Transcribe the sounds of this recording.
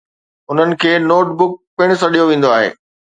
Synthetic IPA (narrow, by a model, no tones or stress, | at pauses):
ʊn̤ənɪ̆kʰeːnoːʈ̚bʊk̚pɪɽ̃s̬ɐɗijoʋẽːnd̪oaːɦḛː